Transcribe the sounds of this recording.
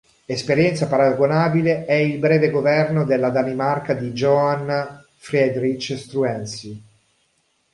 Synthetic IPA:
espeɾjɛnt̪sapaɾaɡonaːbileɛilbɾɛːveɡovɛrnod̪elːad̪animarkad̪id͡ʒɔan | fɾɛd̪ɾit͡ʃst̪ɾuɛnsi

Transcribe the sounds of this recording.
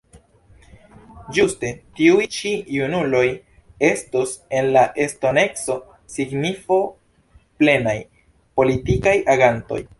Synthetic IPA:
d͡ʒuste̞tiujt͡ʃijunulo̞j | e̞stuse̞nlaʔe̞sto̞ne̞kso̞ | siɡnifo̞ | ple̞naj | po̞litikajʔaɡanto̞̰j

